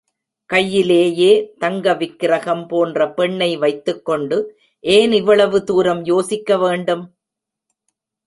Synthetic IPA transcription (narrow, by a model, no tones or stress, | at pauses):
kɐjːɪleːjeːt̪ɐŋɡɐʋɪkːɪɾɐɣɐmpoːndrɐpɛɳːɐɪʋɐɪt̪ːɯkːɔɳɖɯ | ʔeːnɪʋːɐɭɐʋɯt̪uːɾɐmjoːsɪkːɐʋeːɳɖɯm